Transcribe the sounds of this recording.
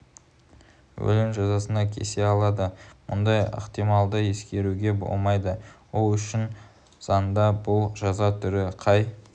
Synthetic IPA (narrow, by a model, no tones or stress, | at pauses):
wɵ̰lɪmʒɑzɑsənɑkʲʰḛse̞ɑlˠɑd̪əmʊ̰nd̪ɑjə̰qt̪ijmɑlˠd̪əje̞skʲe̞ɾuɡʲe̞bo̰lˠmɑjd̪əwo̞lˠʏʃɪn | z̥ɑnnd̪ɑbʊlˠʒɑzɑt̪ʰʏɾɪqʰɑj